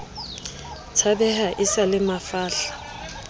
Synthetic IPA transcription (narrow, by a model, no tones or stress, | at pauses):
t͡sʰabɛhaʔɪsalɪmafaːɬḁ